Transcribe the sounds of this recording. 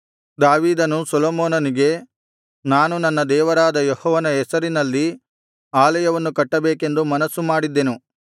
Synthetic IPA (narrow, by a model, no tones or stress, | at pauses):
d̪aːʋiːd̪ɐnusɔloːmoːnɐniɡe̞ | naːnunɐnːɐd̪ɛːʋɐɾaːd̪ɐjɔhɔːʋɐnɐɛsɐɾinɐlːi | aːlɐjɐʋɐnːukɐʈːɐbeːke̞nd̪umɐnɐsːumaːɽid̪ːenu